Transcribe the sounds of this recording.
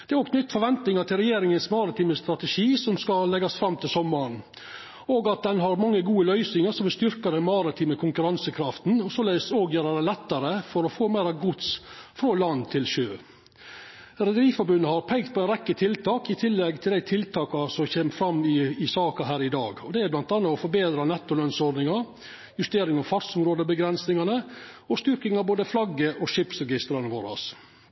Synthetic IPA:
d̪̥ɛæːɾɔːkʰnʏt̪ːfɔɾʋɛnt̪nɪŋɑʈ̪ʰɪlɾɛjeːɾɪŋənsmɑɾɪt̪ʰiːməst̪ɾɑt̪əʂiːsɔmskɑlɛɡɑsfɾɑmːt̪ʰɪlsɔmːəɾɳ | oːɡɑt̪̚d̪ɛnɦɑɾmɑŋːəɡuːəlœʏsnɪŋəʂɔmʋɪlst̪ʏɾkɑd̪ɛnmɑɾɪt̪ʰiːməkʰʊŋkʉɾɑnsəkʰɾɑft̪nɔsɔlæsoːɡjøːɾəd̪ælɛt̪ːɑɾəfɔɾɔfoːmæɪɾɑʋɡʊt̪sfɾolɑnːt̪ʰɪlʃøː | ɾɛd̪əɾiːfɔɾbʉnːəhɑɾpʰɛŋkt̪̚pʰɔɛɪnɾɛkːət̪ʰɪlt̪ʰɑːkɪt̪ʰɪlːɛɡt̪ʰɪld̪æɪt̪ʰɪlt̪ʰɑːkɑsɔçeːməfɾɑmːɪɪsɑːkɑɦæːɾɪd̪ɑːɡɔd̪ɛæɾblɑnt̪ɑnːɑɔfɔɾbeːd̪ɾɑnɛt̪ːʊlœnsɔɖ̪nɪŋɑɾ | jʉst̪eːɾɪŋɑfɑɾsʊmɾoːd̪əbəɡɾɛnsnɪŋɑnəɔst̪ʏɾkɪŋɑboːd̪əflɑɡːəʔɔʂɪpsɾɛɡɪst̪ɾɑnʋoːɾɑ̰s

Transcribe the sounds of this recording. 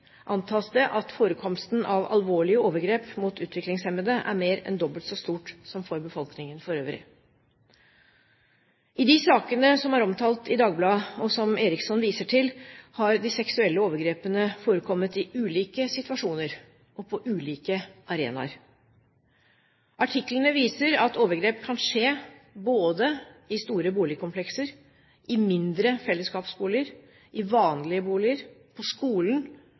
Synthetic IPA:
ʔɑnt̪ʰɑːsd̪ɛʔɑt̪foːɾəkʰɔmst̪nʔɑʋɑ̰lʋoːɭɪəoːʋəɾɡɾeːpmuːt̪ʉːt̪ʰʋɪklɪŋsɛmbəd̪əʔæ̰ɾmeːɾɛ̰nd̪ɔbəlt̪sɔst̪uːʈsɔmfɔɾbəfɔlknɪŋənfɔɾøːʋɾɪ̰ | ɪd̪ɪsɑːkənəsɔmæɾɔmt̪ʰɑːlt̪ɪd̪ɑːɡblɑːɔsɔmeːɾɪksɔnʋiːsəʈʰɪlhɑɾd̪ɪsɛksʉɛlːəoːʋəɾɡɾeːpənəfoːɾəkʰɔmːət̪ɪʉːliːkəsɪt̪ʉɑʂuːnəɾ | ʔɔpʰɔʔʉːliːkəʔɑɾḛːnɑ̰ɾ | ʔɑʈʰɪklənəʋiːsəɾɑt̪oːʋəɾɡɾeːpkʰɑnʂeːboːd̪əɪst̪uːɾəbuːlɪəkʰʊmpʰlɛksəɾ | ʔɪmɪnd̪ɾəfɛlːəskɑːpsbuːlɪəɾ | ʔɪʋɑːnlɪəbuːlɪəɾpʰɔskuːln

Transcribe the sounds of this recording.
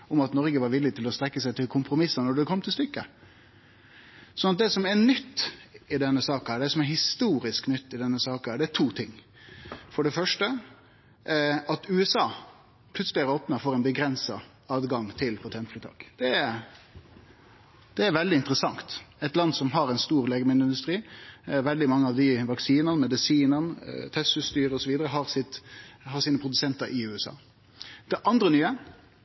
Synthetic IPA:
ʊmɑt̪nɔɾɡəʋɑɾʋɪlːɪt̪ʰɪlɔst̪ɾɛkːəsæɪt̪ʰɪlkʰʊmpɾʊmɪsːənɔɖɛkʰɔmːt̪ʰɪlst̪ʏkːə | sɔnːɑt̪̚d̪ɛsɔmɛnʏt̪ːɪd̪ɛnːəsɑːk̪æːɖ̪ɛsɔmɛɾhɪst̪uːɾɪsknʏt̪ːɪd̪ɛnːəsɑːkəæːɖɛæt̪ʰuːt̪ʰɪŋː | fɔɖɛfœʂʈə | ɑt̪ʉːɛsɑː | pʰlʉt̪səlɪæɾoːpnəfoːɾɛɪnbəɡɾɛnsɑ | ɑːd̪ɡɑŋt̪ʰɪlpʰɔt̪ʰɛnt̪fɾɪt̪ʰɑ̰ːkd̪̥ɛɾ | d̪̥ɛæɾʋɛld̪ɪɪnt̪əɾəsɑŋt̪ɛt̪lɑnːsɔmɦɑɾɛɪnst̪uːɾleːɡəmɪnd̪ɪnd̪ʉst̪ʁiːʋɛld̪ɪmɑŋːəɑʋd̪ɪʋɑksiːnɑnəmɛd̪ɪsiːnənət̪ʰɛsʉst̪yːɾəɔsɔʋiːd̪əɾəɦɑɾsɪt̪hɑɾsiːnəpɾʊd̪ʉsɛnt̪ɑɾʔɪʉːɛsɑ̰ː | d̪̥ɛʔɑnd̪ɾənyːə

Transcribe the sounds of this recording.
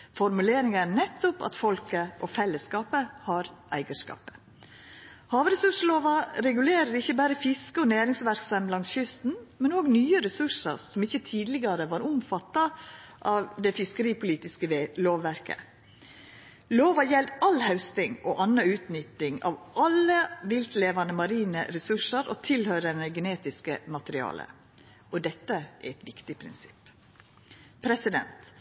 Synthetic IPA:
fɔɾmʉleːɾɪŋæɳɛt̪ːʊpɑ̰t̪fɔlkəʔɔfɛlːəskɑːpəhɑɾʔæɪɡəʂkɑ̰ːpə̥ | hɑːʋɾɛsʉʂəloːʋɑɾɛɡʉleːɾəɾɪçːəbæːɾəfɪskəɔnæːɾɪŋsʋæɾksɑmblɑnt̪çʏst̪n̩mɛnoːɡnyːəɾɛsʉʂə̰sɔmɪçːət̪ʰiːd̪lɪɡɑɾəʋɑːɾʊmfɑt̪ːɑʔɑʋd̪ɛfɪskəɾiːpʊliːt̪ɪskəloːʋːæɾkə̰ | loːʋɑjɛld̪ɑlhɑʉst̪ɪŋɔːʔɑnːɑʉːt̪nʏt̪ːɪŋɑ̰ʋʔɑləʋɪlt̪leːʋɑnəmɑɾiːnə̰ɾɛsʉʂəɾɔt̪ʰɪlhœɾənəɡɛneːt̪ɪskəmɑt̪əɾɪɑ̰ːlə̰ | ɔd̪ɛt̪ːəæ̰ɾɛt̪ʋɪkt̪ɪpʰɾɪ̰nsɪ̥p | pʰɾɛsɪd̪ɛ̰nt̪

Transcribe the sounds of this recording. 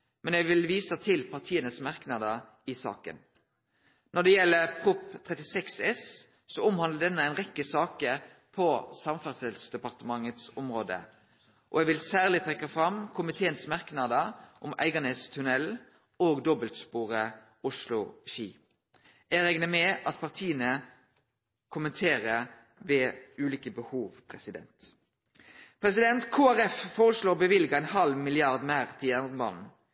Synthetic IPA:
mɛnɛɡʋɪlʋiːsət̪ʰɪlpʰɑʁt̪ʰiːənəsmɑʁknɑd̪ə | ɪsɑ̰ːkə̰n | nɔd̪ɛjɛlːəʁpʰʁʊpt̪ʰʁɛt̪ɪsɛksɛsː | ɔʊmhɑnd̪ləd̪ɛnːəæɪnʁɛkːəsɑːkə | pʰɔsɑmfɑʁsɛlsd̪ɛpɑʁt̪əmɑŋːət̪sʊmʁoːd̪ə̰ | ʔɔ̰ɛɡʋɪlsæːʁlɪt̪ʰɾɛkːɑfɾɑmkʰʊmɪt̪ʰeːənsmɑʁknɑd̪əʔʊmæ̰ɪɡəneːst̪ʰʉnɛl | oːɡd̪ɔbəlt̪spuːʁə | ʊʂlʊʃiː | ɛʁɛŋnəmɛʔɑt̪pʰɑʁt̪ʰiːənə | kʰʊmənt̪ʰeːʁə | ʋɛʉːliːkəbəhuːʋpʰʁɛsɪd̪ɛ̰nt̪ | pʰɾɛs̬ɪd̪ɛnt̪kʰoːæʁɛffoːʁəsloːʁbəʋɪlɡɑɛɪnhɑlʋmɪlɪɑʁd̪mæːʁt̪ʰiɑnmɑnn

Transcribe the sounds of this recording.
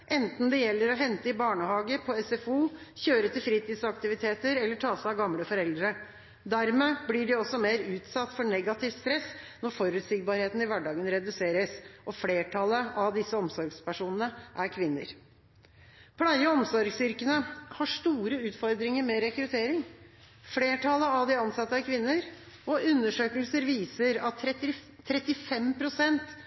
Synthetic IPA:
ʔɛnt̪n̩d̪ɛjɛlːəɾɔɦɛnt̪əɪbɑːɳəhɑːɡəpʰɔɛsɛfuːçøːɾət̪ɪlfɾiːt̪iːd̪sɑkt̪ɪʋɪt̪ʰeːt̪əɾɛlːəʈʰɑːsæɑʋɡɑmləfɔɾɛld̪ɾə | d̪æɾmeːblɪɖɛɔsːɔmeːɾʉːt̪sɑt̪ːfɔɳɛɡɑt̪ʰɪʋtst̪ɾɛsːnɔɾfɔɾʉt̪sɪɡ̚bɑɾheːt̪n̩ɪʋæɖɑːɡənɾɛd̪ʉseːɾəsʔɔfleːʈʰɑləɑʋd̪ɪsːəɔmsɔɾɡspæʂuːnənəʔæɾkʰʋɪnːə̰ɾ | pʰlɑɪəɔmsɔɾɡsʏɾkənəhɑʂt̪uːɾəʉːt̪fɔɾd̪ɾɪŋəɾmɛɾɛkɾʉt̪ʰeːɾɪŋ | fleːʈʰɑləɑʋd̪ɪɑnsɑt̪ːəæɾkʰʋɪnːəɾ | ɔʉnːəʂøːkəlsəɾʋiːsəɾɑt̪ʰː | ɾɛt̪ːɪfɛmpʰɾʊsɛnt̪

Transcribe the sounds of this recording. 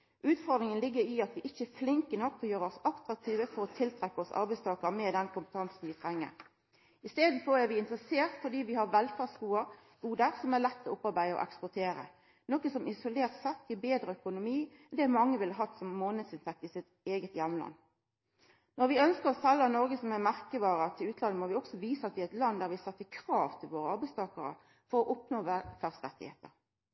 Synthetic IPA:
ʔʉːt̪fɔʁd̪ɾɪŋənlɪɡːəɾɪɑt̪ʋɪʔɪçːəflɪŋkənɔkːɔjøːɾəɔsɑkt̪ɾɑk̚t̪ʰiːʋəfɔɾɔt̪ʰɪlt̪ʰɾɛkːəɔsɑ̰ɾbæɪst̪ʰɑːkəɾmɛd̪ɛnkʰʊmpət̪ʰɑnsn̩ʋɪt̪ʰɾɛŋːə̰ɾ | ɪst̪eːd̪n̩fɔæʋɪɪnt̪ʁəseːʁt̪fɔd̪iːʋɪhɑʁʋɛlfæʁsɡuːə | ɡ̥uːd̪əɾsɔmæʁlɛt̪ʰːɪlɔʊpːɑɾbæɪəɔ̰ʔɛ̰kspʊt̪ʰeːɾə̰ | nɔkəsɔmɪsʊleːʁt̪sɛt̪ːɪbeːd̪ɾəœkʊnʊmiː | d̪ɛæmɑŋːəʋɪlɑɦɑt̪ːsɔmːoːnəd̪sɪnt̪ɛk̚t̪ɪsɪt̪ | eːɡət̪jɛmlɑ̰nː | nɔɾʋɪœnskəɾɔsɛlːɑnɔɾɡəsɔmæmæʁkəʋɑːɾət̪ʰɪlʉːt̪lɑnːəmɔʋɪɔksɔʋiːsəɑt̪̚ʋɪæɪt̪lɑnːd̪æːɾʋɪsɛt̪ːəkʰʁɑːʋt̪ʰɪlʋoːɾəɑɾbæɪst̪ʰɑːkəɾə̰ | fɔɾɔʔʊpnoːfæʁst̪ʁɛt̪ːɪ̰hḛːt̪ə̰ɾ

